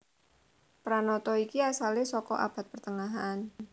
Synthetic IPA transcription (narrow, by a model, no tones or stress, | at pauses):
pɾanɔt̪ɔikiasalɪsɔkɔ̰ʔa̰b̥a̤t̪̚pərt̪əŋaɦan